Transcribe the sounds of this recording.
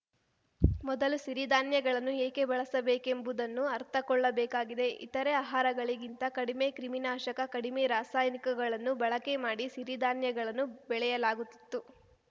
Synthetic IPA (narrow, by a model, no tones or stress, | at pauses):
mɔd̪ɐlusiɾid̪aːnjɐɡɐɭɐnːueːke̞bɐɭɐsɐbeːke̞mbud̪ɐnːuɐɾt̪ʰɐkɔɭːɐbɛːkaːɡid̪e̞ʔḭt̪ɐɾe̞aːɦaːɾɐɡɐɭiɡint̪ɐkɐɽime̞kɾiminaːʃɐkɐkɐɽimeɾaːsaːjnikɐɡɐɭɐnːubɐɭɐke̞maːɽisiɾid̪aːnjɐɡɐɭɐnːubɛɭɛjɐlaːɡut̪ːi̥t̪ːu